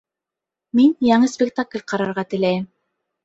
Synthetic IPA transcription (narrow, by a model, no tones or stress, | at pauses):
minjɑɴɤsʲpʲɪkt̪aklʲqɑɾɑɾʁɑt̪ɘ̆læjɘm